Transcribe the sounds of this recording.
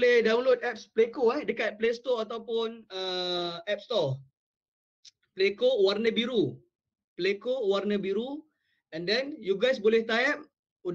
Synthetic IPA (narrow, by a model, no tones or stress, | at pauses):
lɛhdawnlot̪̚ɛp̚splekoahdəkat̪̚plest̪oat̪awpʊnəɛp̚st̪ɔ | plekoʔwarnəbiɾu | plekoʔwarnəbiɾu | ɛ̃ndɛnjuɡajsbolɛht̪aɛp̚ | u